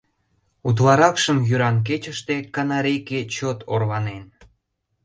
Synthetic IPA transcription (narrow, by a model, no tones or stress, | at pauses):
ut̪lɑɾɑkʃəmjyɾɑnk̬et͡ɕəʃt̪ekɑnɑɾeket͡ɕot̪ʰorβɑnen